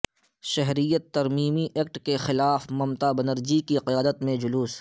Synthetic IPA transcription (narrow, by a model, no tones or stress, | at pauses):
ʃɛɦɾijət̪ːɐɾmiːmiʔeːk̚ʈkexɪlaːfmɐmt̪abɐnəɾd͡ʒikiqɪjaːd̪ət̪mẽd͡ʒʊluːs